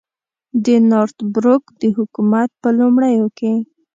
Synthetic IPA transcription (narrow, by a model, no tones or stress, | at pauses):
d̪ənoɾt̪bɾokd̪əhʊkumat̪̚pəlumɽəjoke